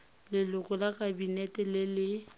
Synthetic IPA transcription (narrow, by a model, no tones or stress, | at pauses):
lɪlʊkʼʊlakʼabinɛtʼɛlɪlɪ